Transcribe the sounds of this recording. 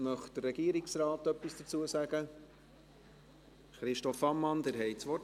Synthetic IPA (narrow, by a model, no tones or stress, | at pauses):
mœχd̥ərːɛɡiːəɾɪksɾɑːt̪œpːisd̥ət͡suəsæɡ̥ə | χɾɪʃtɔfɑmːɑnd̥̪æɾɦɛjt͡sʋɔ